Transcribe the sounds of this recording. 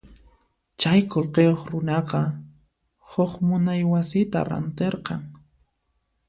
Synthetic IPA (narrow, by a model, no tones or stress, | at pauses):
t͡ʃajkolqejoχɾʊnɑqɑ | hʊχmʊnajwasɪt̪a̰ɾa̰nt̪eɾqɑŋ